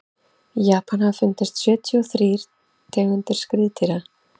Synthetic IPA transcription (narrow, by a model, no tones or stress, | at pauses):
jaːpʰanhavfʏnt̪ɪst̪sjœːt̪ʰiɔθɾiːɾ̥ | t̪ʰɛːɣʏnt̪ɪɾ̥skɾiːt̪ʰiɾa